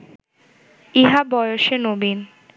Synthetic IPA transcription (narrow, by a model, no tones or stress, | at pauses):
iɦabɔjoʃenobin